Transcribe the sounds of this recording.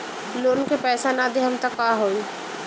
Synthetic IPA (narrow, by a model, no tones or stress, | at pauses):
loːnkepɛːsanad̪eɦɐmt̪ɐkːaːɦoːi